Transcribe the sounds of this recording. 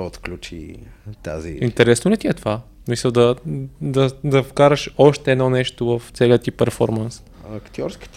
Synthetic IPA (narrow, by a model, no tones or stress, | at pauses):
ot̪klʲut͡ʃḭt̪a̰zḭint̪ɛɾɛsnolʲɛt̪iɛt̪ovasmisəlˠd̪ɐd̪ɐd̪ɐfkaɾɐʃɔʃt̪ɛɛd̪nɔnɛʃt̪ovəft̪sɛliət̪ipɛɾfɔɾməns | ɐkt̪ʲjɔɾski̥t̪